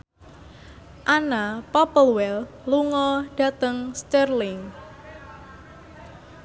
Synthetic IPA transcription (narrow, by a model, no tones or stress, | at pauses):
ʔanapɔpəlwɛl | luŋɔɖ̥a̤t̪əŋst̪ərlɪŋ